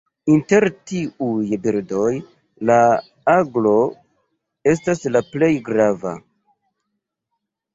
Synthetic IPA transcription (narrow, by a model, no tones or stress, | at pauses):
inte̞ɾtiujbiɾdo̞j | la | aɡlo̞ | e̞s̬taslaple̞jɡɾava̰